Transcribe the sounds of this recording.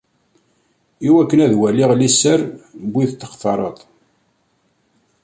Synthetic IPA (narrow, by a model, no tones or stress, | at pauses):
iwækːənæðwæliʁlisːəɾbʷːiθt̪ːə̥qθɑɾˤət̪ˤ